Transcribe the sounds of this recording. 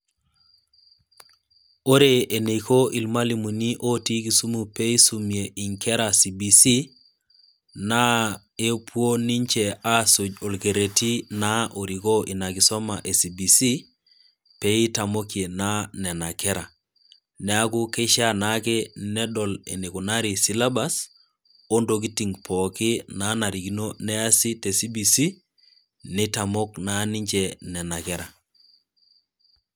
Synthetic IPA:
o˦ɾe˨e˨ne˨iko˦ʔi˨lma˦li˨mu˨ni˦ʔo˦ti˦ki˨su˦mu˨pe˦i˦su˨mie˨ʔi˨ŋkʰɛ˦ɾa˨si˨bi˨si˦ | na˦ | e˦pwo˦ni˦ɲt͡ʃe˨a˦so˨d͡ʒo˨lke˨ɾe˨ti˦na˦ʔo˨ɾi˨ko˦ʔi˨na˨ki˨sɔ˦ma̰˨ʔe˨si˨bi˨si˦ | pe˦i˦ta˨mo˦ke˨na˦nɛ˨na˨kɛ˦ɾa˨ | nɛ˨˦a˦ku˦ke˦ʃa˦na˦ke˦nɛ˦dɔ˨lḛ˨ni˨ku˨na˦ɾi˨si˦la˦ba˦s | o˦ndo˨k̬i˦ti˨ŋpʰɔ˨ki˦na˨˦na˨ɾi˨ɡi˦no˦nɛ˦a˦si˦te˨si˦bi˨si˦ | ni˦ta˨mo˦kna˦ni˦ɲd͡ʒe˨nɛ˨na˨kɛ˦ɾa˨

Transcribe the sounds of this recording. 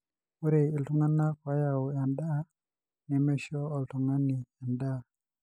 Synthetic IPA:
u˦ɾe˨i˨ltu˦ŋa˦na˦kwa˨˦ja˨ʊ˨ja˨nda˦ | nɛ˨mɛ˦ʃɔ˦ɔ˨ltu˨ŋa˦ni˨ja˨nda˦˨

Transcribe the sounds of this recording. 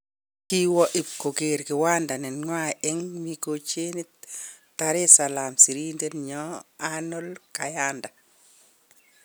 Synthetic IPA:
ki˦wɔ˦ʔi˨p̚ko˨ke˨ɾkɪ˨wa˦nda˨nɛ˨nŋwa˦ɪ˦ŋmi˨ko˨t͡ʃe˦ni˦taɾe˦sa˨la˨msi˨ɾi˦nde˦nɲɔ˦ano˦lka˨janda˨

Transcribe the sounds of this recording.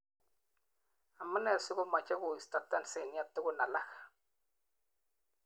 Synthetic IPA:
a˨mːa˦nɛ˨sʊ˦ɡo˦ma˨t͡ʃa˦ɡu˨i˨sta˦˨ta˦n˨se˦˨n˦a˦tɪ˦ɡu˦na˨la˦k

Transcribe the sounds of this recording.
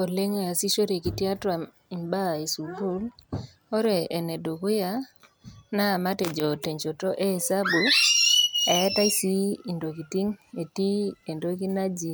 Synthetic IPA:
ɔ˨le˦ŋe˨a˨si˦ʃo˦ɾe˨ki˨ti˦a˦twa˨ | i˨mba˦˨e˨su˨bu˦l | ɔ˦ɾɛː˨nɛ˨do˨kʊ˦ja˦ | na˦˨ma˦tɛ˨d͡ʒɔ˨te˨ɲt͡ʃo˨tɔ˦ʔe˦˨sa˦bu˨ | a˨ɛ˦ta˦i˦si˦i˨ndo˨k̬i˨ti˦ŋe˨ti˦e˨ndo˦ki˦na˦d͡ʒi˨

